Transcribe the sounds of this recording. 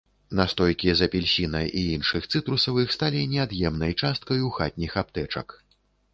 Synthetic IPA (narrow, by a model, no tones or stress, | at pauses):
nast̪ɔjkʲizɐpʲilʲsʲinɐʔiinʂɨxt̪sɨt̪ɾusɐwixst̪alʲinʲɛad̪jɛmnɐjt͡ʂast̪̚kɐjuxat̪̚ʲnʲixapt̪ɛt͡ʂɐ̰k